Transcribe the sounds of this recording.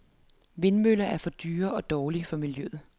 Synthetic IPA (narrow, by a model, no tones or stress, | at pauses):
ʋe̝nmøl̰ɐʔæɐfɒ̽d̥yːɐʔɒ̽d̥ɒːlifɒ̽miljøð̩ˠ